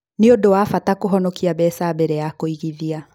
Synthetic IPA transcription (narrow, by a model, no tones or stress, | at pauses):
neodowafatakoɦɔnɔkiabɛsabɛɾɛjakoiɣiðia